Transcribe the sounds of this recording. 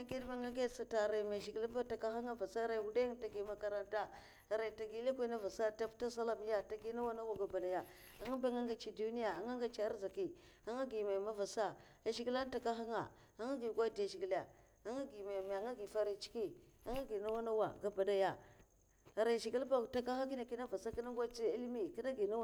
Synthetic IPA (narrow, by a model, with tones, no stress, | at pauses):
a˦ɡi˦dma˦ŋa˦ɡe˦sa˨ta˨ɾa˨ma˨ʃi˨ɡi˦lba˦ta˨ka˦xa˦ŋa˦va˨sa˦ɾa˨wu˦da˦ŋ˦ta˨ɡi˨ma˦ka˦ɾa˦nta˦ | a˨ɾa˨ta˨ɡi˦le˦kʷi˦na˦va˨sa˦ta˦pta˦s̬a˦la˨m˦ja˦ta˨ɡi˦na˦wa˦na˦wa˨ɡa˨ba˨da˨ja˨ | a˨ŋa˦ba˦ŋa˦ŋɡa˨t͡ʃi˨du˦ni˦ja˨a˨ŋa˦ŋɡa˨t͡ʃa˦za˨ki˨ | a˦ŋa˦ɡi˨ma˨ma˦va˨sa˦ | a˨ʃi˦ɡi˦la˦n˦ta˨ka˦xa˦ŋa̰˨ | a˦ŋa˦ɡi˨ɡʷa˦da˨ʃi˨ɡi˨la˨ | a˦ŋa˦ɡi˨ma˨m˨a˨˦ŋa˦ɡi˨fa˦ɾi˨t͡ʃi̥˦ki˦a˦ŋa˦ɡi˨na˦wa˦na˦wa˨ɡa˨ba˨da˨ja˨ | a˨ɾa˨ʃi˨ɡi˦lba˦˨ta˦ka˦xa˦ki˦na˨ki˦na˦va˨sa˦ki˦na˦ŋɡʷa˦t͡ʃi˦i˦lmi˨ki˦na˦ɡi˨na˦w